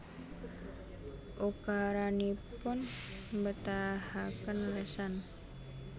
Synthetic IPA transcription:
ʔukaɾanipʊn | mbət̪ahakənləsan

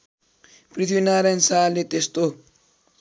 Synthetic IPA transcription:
pɾit̪ʰbinaɾensalːet̪est̪o

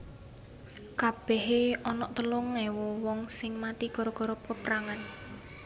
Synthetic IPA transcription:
kab̥ɛɦeɔnɔʔt̪əlʊŋːɛwɔwɔŋsɪŋmat̪ikɔɾɔkɔɾɔp̚kəpɾaŋan

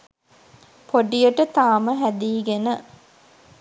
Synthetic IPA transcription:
pʰoɖijəʈət̪aːməɦæd̪iːɡenə

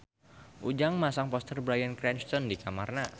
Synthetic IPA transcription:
ʔud͡ʒaŋmasaŋpɔst̪ərbɾajənkɾɛnt͡ʃt̪ɔndikamarna

